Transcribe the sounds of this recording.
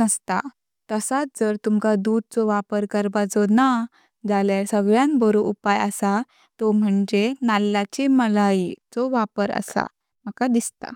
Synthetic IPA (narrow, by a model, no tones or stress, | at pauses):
əst̪a̰ | t̪əsat̚d͡zəɾt̪umkad̪ud̪̚t͡sɔʋapəɾkəɾbad͡zɔna | d͡zaljasəɡɭjãnbəɾoʔupajəsa | t̪ɔm̤əɳd͡ʑenalːat͡ɕeməlait͡sɔʋapəɾə̰sa̰ | məkad̪ist̪a̰